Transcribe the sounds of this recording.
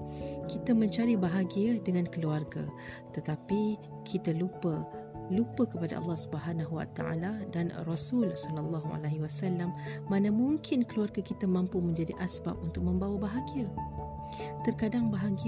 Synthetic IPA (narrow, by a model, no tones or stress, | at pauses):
kit̪amə̃ɲt͡ʃaɾibaɦaɡiədəŋãnkəluarɡa̰t̪ət̪api | kʰit̪alupəlupəkəpada̰ʔɑ̰lːɑhsubəɦanaɦuwa̰t̪a̰ʔa̰ladanrɔsulsɔlalːɑɦua̰laɦiwasalːamːãnamũŋkʰɪnkəluarɡakit̪amãmpumə̃ɲd͡ʒadiʔasba̰p̚unt̪ʊk̚mə̃mbawabaɦaɡiə | t̪ərkadaŋbaɦaɡi